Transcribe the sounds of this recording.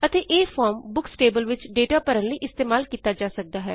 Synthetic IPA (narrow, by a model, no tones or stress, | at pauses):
ət̪eːʔeːfʰɔːɾmbʊksʈeːbəlʋɪt͡ʃɖeːʈaːpəɾənləiːʔɪst̪eːmaːlkiːt̪aːd͡ʒaːsək̚d̪aːɦɛː